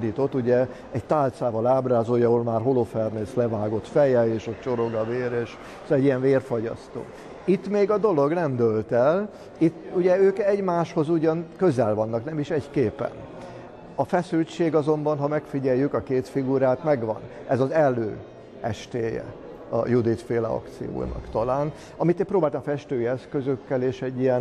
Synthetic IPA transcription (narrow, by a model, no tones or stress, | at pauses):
d̪iːt̪o̞t̪ːuɟɛ | ɛɟt̪aːlt̪saːvɒlaːbraːzoːjɒɦolmaːrɦo̞lofɛrneːslɛvaːɡo̞t̪fɛjɛeːʃɒt͡ʃo̞ɾo̞ɡɒveːɾeːʃ | sɛɟːijɛɱveːrfoɟɒ̰st̪o̰ː | it̪ːmeːɡɒd̪o̞lo̞ɡnɛmd̪ølt̪ɛl | it̪ːuɟɛøːkɛɟmaːʃho̞zuɟɒŋkø̞zɛlvɒnːɒknɛmiʃɛckeːpːɛ̰n | ɒfɛsylt͡ʃeːɡɒzo̞mbɒnɦɒmɛkfiɟɛjːykɒkeːt̪fiɡuɾaːt̪mɛɡʋɒ̰nɛzɒzɛlːø̰ː | ɛʃt̪eːjɛ̰ | ɒ̰jud̪it̪feːlɛ̰ɒ̰kt̪sḭjo̰ːnɒ̰kt̪ɒlaːn | ɒmit̪eːmprɾoːbaːlt̪ɒmɒfɛʃt̪øːjiɛskø̞zøkːɛleːʃɛɟːijɛn